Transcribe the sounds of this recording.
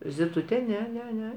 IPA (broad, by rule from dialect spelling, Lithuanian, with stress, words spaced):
zʲɪˈtʊtʲɛ ˈnʲɛ ˈnʲɛ ˈnʲɛ